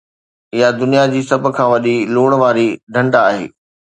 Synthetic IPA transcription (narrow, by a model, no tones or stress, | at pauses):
ɪjad̪ʊnijad͡ʑiːsɐb̆ʱkʰãːʋɐɗiluːɽ̃ʋaːɾiɖʱɐ̃ɳɖaaːɦḛː